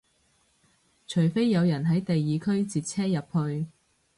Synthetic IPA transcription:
t͡ʃʰɵ˨˩ɥfe˥jːɐ˨˧wjɐ˨˩nɦɐ˨˥jt̪e˨jːiː˨˧kʰɵ˥ɥt͡siː˨t̚t͡sʰɛː˥jɐ˨p̚hɵ˧ɥ

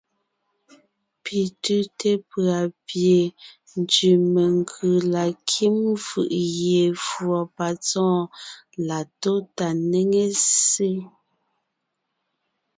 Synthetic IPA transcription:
pi˨tʉ˦te˦pɰa˨pje˨ | n˨d͡ʒʉ˨me˨ŋɡʰʉ˨la˨kʰi˦mfɯ̰˨ʔɣje˨fwɔ˨pa˨t͡sɔ̃ː˦la˨to˦ta˨ne˦ŋe˦se˦

